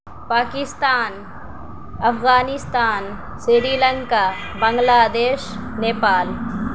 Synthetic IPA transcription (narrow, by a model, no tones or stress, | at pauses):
paːkɪst̪aːn | ɐfɣaːnɪst̪aːn | sɾiɾiːlə̃ŋka | bɐ̃ŋɡlaːd̪eːʃneːpaːl